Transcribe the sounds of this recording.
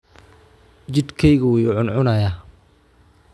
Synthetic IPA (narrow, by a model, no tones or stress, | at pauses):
t͡ʃɪd̪kʰɛjɣɐʊjʊʕʊnʕʊnɐja